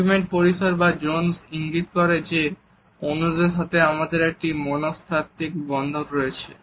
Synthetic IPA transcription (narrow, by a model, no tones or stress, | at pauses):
meɳʈ̚poɾiʃoɾbad͡ʑonsiŋɡit̪kɔɾed͡ʑe | onud̪eɾʃat̪ʰeamad̪eɾek̚ʈimɔnost̪ʰat̪ikbɔnd̪ʱoɾɾojet͡ɕʰe